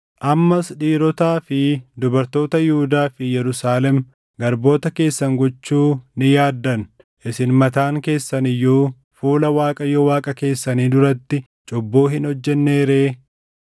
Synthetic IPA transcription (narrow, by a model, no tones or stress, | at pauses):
ʔɐmːɐsᶑiːɾɔt̪aːfɪd̪ʊbɐɾt̪o̞ːt̪ɐjɪhʊd̪aːfɪjɛɾʊsaːlɛm | ɡɐɾbo̞ːt̪ɐke̞ːsːɐŋɡɔt͡ʃːuːnɪjaːd̪ːɐn | ʔɪsɪnmɐt̪aːŋke̞ːsːɐnɪjːuː | fuːlɐwaːkʼɐjɔwaːkʼɐke̞ːsːɐniːd̪ʊɾɐt̪ːɪ | t͡ʃʼɔbːoːɦɪnhɔd͡ʒːɛnːe̞ːɾe̞ː